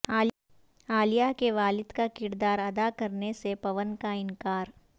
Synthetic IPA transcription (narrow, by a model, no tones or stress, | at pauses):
aːlijakeʋaːlɪd̪kakɪɾd̪aːɾɐd̪akɐɾnesepɐʋənkaɪ̃ŋkaːɾ